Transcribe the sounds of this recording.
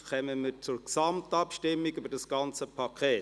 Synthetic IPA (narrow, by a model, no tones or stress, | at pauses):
χɛməmit͡sʊɾksɑmtɑpʃtɪmːiɡybəɾdɑsɡ̥ɑnt͡səpʰɑkʰeː